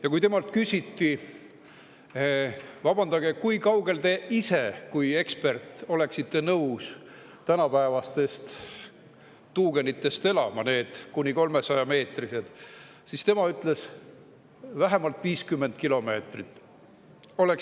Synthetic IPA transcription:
jɑkujt̪e̞mɑlt̪kysʲit̪ːi | vɑb̥ɑnd̪̥ɑɡ̥ekujkɑwɡe̞lt̪e̞ise̞kuje̞kspe̞rt̪ˑo̞le̞ksit̪ːe̞nɤws | t̪ænɑpæevɑst̪e̞st̪ | t̪uːɡ̥e̞nit̪ːˑe̞st̪e̞lɑ̰mɑne̞ːd̪̥kunʲiko̞lme̞sɑjɑme̞ːt̪rise̞d̪̥ | sist̪e̞mɑyt̪ːˑle̞s | væɦe̞mɑlt̪viːskymːend̪̚kilo̞me̞ːt̪rit̪ːˑ | o̞le̞k

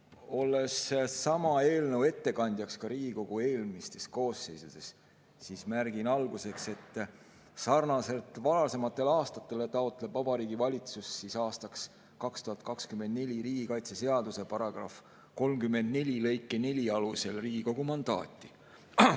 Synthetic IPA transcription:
o̞lːe̞sːɑmɑe̞ːlnəwe̞t̪ːe̞kɑnʲd̪jɑkskɑɾiːɡ̥iko̞ɡ̥ue̞ːlmist̪e̞sko̞ːsːe̞jsud̪̥e̞s | sismærɡ̥inɑlɡ̥use̞kse̞t̪ːˑ | sɑrnɑse̞lt̪ːˑvɑlɑse̞mɑt̪ːˑe̞lɑːst̪ɑt̪ːˑe̞let̪ɑo̞t̪ːˑle̞b̥vɑbɑɾiːɡivɑlʲit̪susːisɑːst̪ɑks | kɑkst̪uɦɑt̪̚kɑkskymːend̪̚ne̞lʲiɾiːɡ̥ikɑjt̪sese̞ɑd̪use̞pɑɾɑɡ̥rɑ̰f | ko̞lmkymːe̞nd̪ne̞lʲilɤ̞jkːˑene̞lʲiɑluse̞lriːɡiko̞ɡ̥umɑnd̪̥ɑ̰ːt̪ːˑi

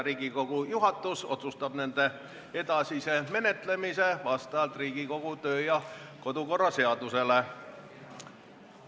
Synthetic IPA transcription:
ɾiːɡ̥iko̞ɡ̥ujuɦɑt̪ːˑuso̞̰t̪sust̪ɑb̥ne̞nd̪̥e̞ | e̞d̪̥ɑsise̞me̞ne̞t̪ˑle̞mise̞vɑst̪ɑɑlt̪ˑriːɡ̥iko̞ɡ̥ut̪ø̞ːjɑko̞d̪̥uko̞rːɑse̞ɑd̪̥use̞le̞

